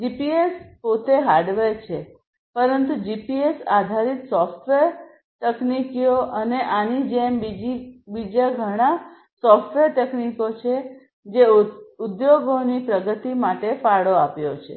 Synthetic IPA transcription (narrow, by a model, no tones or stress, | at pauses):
d͡ʒipiespot̪eɦaɾɖʋeɾt͡ʃʰe | pəɾənt̪ud͡ʒipiesad̪ʱaɾit̪sɔfʈʋeɾ | t̪əknikijoʔəneʔanid͡ʒembid͡ʒibid͡ʒaɡʱəɽ̃a | sɔfʈʋeɾʈ̪əknikot͡ʃʰe | d͡ʒeud̪joɡonipɾəɡət̪imaʈefaɭoapjot͡ʃʰḛ